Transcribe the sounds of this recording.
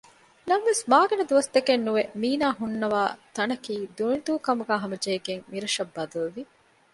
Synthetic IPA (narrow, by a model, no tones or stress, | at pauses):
nɐnʋesmaːɡɐnɐd̪uʋɐst̪ɐkenːuʋemiːnaːɦunːɐʋaːt̪ɐnɐkiːd̪unid̪uːkɐmuɡaːɦɐmɐd͡ʒeːɡeŋmiɾɐʃɐbːɐd̪ɐluʋi